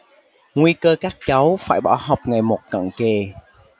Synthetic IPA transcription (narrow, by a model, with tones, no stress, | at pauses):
ŋwi˧kəː˧kaː˦˥k̚t͡ɕa˨˦wfaː˧˩jɓɔ̰˧˩ɦa˨˩wk͡p̚ŋa˨˩jmo˨˩t̚kə̰˧˨nke˨˩